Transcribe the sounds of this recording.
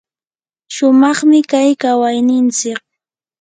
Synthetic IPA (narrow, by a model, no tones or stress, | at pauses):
ʃʊmɑχmɪkajkawajnɪnt͡sɪk̚